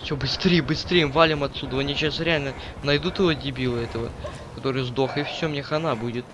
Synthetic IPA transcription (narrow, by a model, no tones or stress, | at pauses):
fsʲobɨst̪ɾʲejəbɨst̪ɾʲejɪmvalʲɪmɐt̪sud̪əɐnʲiɕasɾʲɪalʲnə | nɐjd̪ut̪ɨvodʲɪbʲilˠəɛt̪əvə̰ | kɐt̪o̞ɾɨjəzd̪o̞xəɪfsʲomnʲexɐnabudʲɪt̪̚